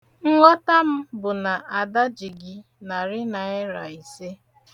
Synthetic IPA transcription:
ŋ̩˦ŋʷɔ˦ta˦m̩˦bʊ˨na˨ʔa˨da˦d͡ʒi˨ɡɪ˦ | na˨ɾɪ˦na˨ɪ˦ɾa˨i˨se˦

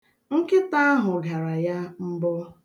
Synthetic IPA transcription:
ŋ̩˦kɪ˦ta˦a˦ɦʊ˨ɡa˨ɾa˨ja˦m̩˦bɔ˦

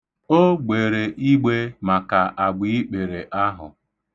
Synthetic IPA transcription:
o˦ɡ͡be˨ɾe˨ʔi˦ɡ͡be˦ma˨ka˨ʔa˨ɡ͡bi˨i˦k͡pe˨ɾe˨ʔa˦ɦʊ̰˨

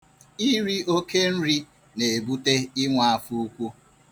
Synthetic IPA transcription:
i˦ɾi˦o˦ke˦n̩˦ɾi˦ | ne˨e˨bu˦te˦ɪ˦ŋʷa˨a˨fu˦u˦kʷu˦

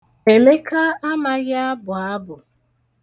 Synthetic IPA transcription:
e˨me˦ka˦a˦ma˦ɣa˦a˦bʊ˨a˦bʊ˨

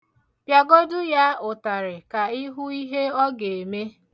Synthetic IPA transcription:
pja˨ɡo˦dʊ˦ja˦ʊ˨ta˨ɾɪ˨ka˨ɪ˦ɦʊ˦i˦ɦe˦ɔ˦ɡe˨e˨me˦

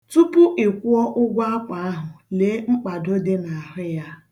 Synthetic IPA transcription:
tu˦pʊ˦ʔɪ˨kʷu˦ɔ˦ʔʊ˦ɡʷa˦a˦kʷa˨˦ɦʊ˨le˨˦ŋ͡m̩˦k͡pa˨do˦de˦na˨a˨ɦʊ˦ja˦

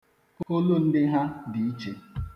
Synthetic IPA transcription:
ko˦lo˦n̩˦dɪ˦ɦa˦di˨i˦t͡ʃe˨

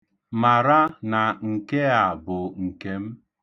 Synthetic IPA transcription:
ma˨ɾa˦na˨ŋ̩˨ke˦a˨bʊ˨ŋ̩˨ke˦m̩˦

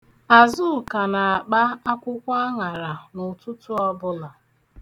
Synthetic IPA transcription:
a˨zʊ˦˨ka˨na˨a˨k͡pa˦a˦kʷʊ˦kʷa˦a˦ŋa˨ɾa˨nʊ˨tʊ˦tʊ˦ɔ˦bʊ˦la˨

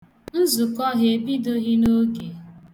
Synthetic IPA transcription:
n̩˦zu˨kɔ˦ɦe˨bi˦do˦ɦi˦no˦ɡe˨

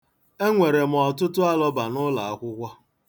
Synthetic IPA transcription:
e˦ŋʷe˨ɾe˨m̩˨ɔ˨tʊ˦tʊ˦a˦lɔ˦ba˨nʊ˦la˨a˦kʷʊ˦kʷa˦

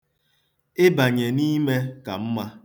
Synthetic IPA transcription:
ɪ˦ba˨ɲe˨ni˦me˦ka˨m̩˦ma˦

